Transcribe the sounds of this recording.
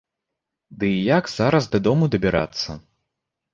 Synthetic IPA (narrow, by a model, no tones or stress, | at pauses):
d̪ɨjaɡz̥aɾɐzd̪ɐd̪ɔmud̪ɐbʲɛɾa̰t̪sːɐ